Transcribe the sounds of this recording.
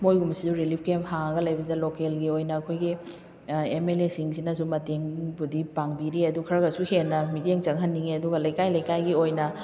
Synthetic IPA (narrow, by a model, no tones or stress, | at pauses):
mojɡumsizuɾilip̚ʰkemhaŋɐɡɐlɐjbɐsidɐlokelɡiojnɐːkʰojɡi | emelesiŋsinɐsumɐteŋbudipaŋbiɾiɐdukʰɐɾɐɡɐsuhenːɐmiteŋt͡ʃɐŋɦɐnːiŋiɐduɡɐlɐjkajlɐjkajɡiojnɐ